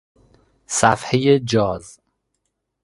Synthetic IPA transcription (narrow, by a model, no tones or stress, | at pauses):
sæfhejed͡ʒɒːz